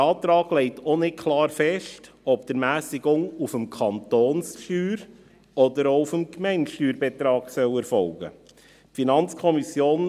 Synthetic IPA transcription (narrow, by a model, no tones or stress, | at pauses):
ɑːtɾɑːɡ̥lɛɪtʰonɪkʰlɑːɾfɛʃt | ɔpd̥əɾmæːsiɡʊŋufəmkʰɑntoːnsʃyːɾ | ɔdəɾoufəmkmɛɪnʃtyːɾbɛt̪ɾɑːɡ̥sœwɛɾfɔlɡ̥ə̰ | finɑnt͡skʰɔmisjoːn